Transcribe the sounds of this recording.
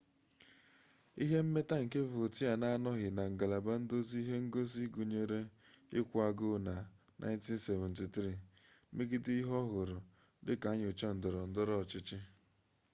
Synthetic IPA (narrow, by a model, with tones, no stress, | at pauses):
i˦ɦe˦m̩˦me˦ta˦ŋ̩˨ke˦vʊ˨ti˦a˨na˦a˦nɔ˦ɦɪ˨na˨ŋ̩˨ɡa˨la˨ba˦n̩˦do˦zi˦i˦ɦe˦ŋ̩˦ɡo˦zi˦ɡu˨ɲe˦ɾe˦ɪ˦kʷu˨a˨ɡʊ˦na˨nʔa̰˦ɪ˦nti˦n̩˦se˨vɛ˨nti˨tɾi˦˨me˦ɡɪ˦dɪ˦i˦ɦɔ˦ɦʊ˨ɾʊ˨ | dɪ˦ka˨˦ɲ˨ʊ˨t͡ʃa˦n̩˨dʊ˨ɾɔ˨n̩˦dʊ˦ɾɔ˦˨t͡ʃɪ˦t͡ʃɪ˦